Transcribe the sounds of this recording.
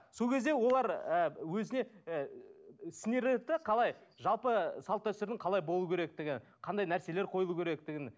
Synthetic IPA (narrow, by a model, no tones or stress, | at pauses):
so̞lˠkʲʰe̞zd̪e̞wo̞lˠɑɾəwɵzɪne̞ | sɪne̞ɾet̪ːɪqʰɑlˠɑj | ʒɑlˠpəsɑlˠt̪ːæwst̪eɾd̪ɪŋqʰɑlˠɑjbo̞lˠukʲʰe̞ɾe̞k̚t̪ɪɡʲɪnqʰɑnd̪ɑjnæɾse̞le̞ɾqʰo̞jlˠukʲʰe̞ɾek̚t̪ɪɡʲɪn